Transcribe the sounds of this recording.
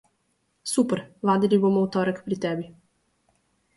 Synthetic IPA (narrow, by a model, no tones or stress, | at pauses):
supɛɾvad̪ilʲibɔmɔwt̪ɔɾəkpɾit̪ɛbi